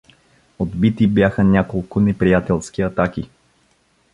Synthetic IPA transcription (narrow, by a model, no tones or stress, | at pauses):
od̪bit̪ibjaxənʲakolˠkʊnɛpɾijat̪ɛlˠskiɐt̪aki